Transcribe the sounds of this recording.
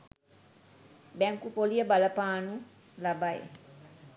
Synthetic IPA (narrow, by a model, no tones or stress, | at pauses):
bɛŋkupolijəbaləpaːnu | labaj